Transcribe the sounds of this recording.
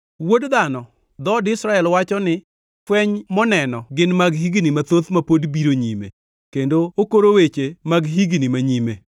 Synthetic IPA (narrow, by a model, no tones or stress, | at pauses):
wodd̪anɔ | d̪ɔdɪsɾaɛlwat͡ʃɔnɪ | kwɛɲmɔnɛnɔɡɪnmaɡɦiɡnimat̪ot̪mapodbiɾoɲimḛ | kendookoɾowet͡ʃemaɡɦiɡnimaɲime